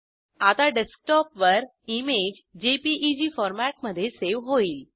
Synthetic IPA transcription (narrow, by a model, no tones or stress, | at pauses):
at̪aɖesk̚ʈɔpʋəɾ | imed͡ʑd͡ʑepiʔid͡ʑiːfɔɾmæʈ̚məd̪ʱːjeseʋɦoiːl